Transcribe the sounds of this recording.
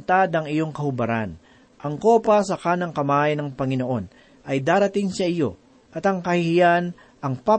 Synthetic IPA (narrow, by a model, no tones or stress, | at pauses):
nt̪ad̪ɐŋɪjo̞ŋkɐhʊbɐɾa̰n | ʔɐŋko̞ːpɐsɐkaːnɐŋkɐmaːjnɐŋpɐŋɪno̞ʔo̞n | ʔɐjd̪aːɾɐt̪ɪŋsɐʔɪjo̞ | ʔɐt̪ɐŋkɐhɪhɪjan | ʔɐŋpa